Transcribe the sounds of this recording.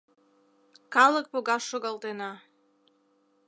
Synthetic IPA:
kɑlˠək̚poɣɑʃːoɣɑlˠt̪enɑ

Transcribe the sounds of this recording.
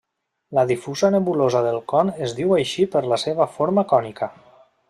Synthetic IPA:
ləðifuzənəβulozəðəlˠkɔnəzðiwajʃipəɾləseβəfoɾməkɔnikʰə

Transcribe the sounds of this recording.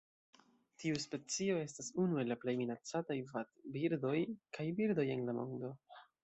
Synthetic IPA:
tʰiuspe̞t͡sio̞e̞stasunue̞laple̞jminat͡satajvatbiɾdo̞jkʰajbiɾd̪o̞je̞nlamo̞̰ndo̞

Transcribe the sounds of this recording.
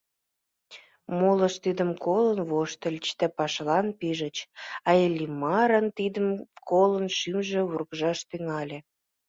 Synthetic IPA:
moləʃt̪id̪əmkolənβoʃt̪əlʲt͡ɕd̪æpɑʃlɑnpiʒə̆t͡ɕɑelʲːimɑɾənt̪id̪əmkolənʃymʒĕurɣʒɑʃt̪yŋɑlʲĕ

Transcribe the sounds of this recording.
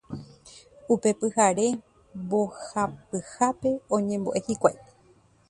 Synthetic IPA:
upe̞pɨhaɾe̞ | bohapɨhape̞õɲẽ̞mbo̰ʔe̞hikʷajt̪e̥

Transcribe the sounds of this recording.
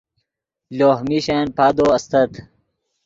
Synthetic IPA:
loːhmiɕeːnpaːd̪oːɐst̪ɐt̪

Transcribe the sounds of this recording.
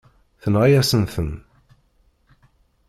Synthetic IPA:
θənʁajæsənθən

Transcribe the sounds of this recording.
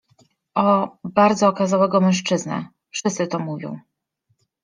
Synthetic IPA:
ʔɔbaɾd̪zɔːkazawɛɡɔmɛw̃ʂt͡ʂɘzna̰ | fʂɘst̪sɘt̪ɔmuvʲjɔ̰̃w̃

